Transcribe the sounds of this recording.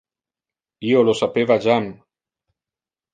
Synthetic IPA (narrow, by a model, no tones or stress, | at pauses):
iolosapeβaʒam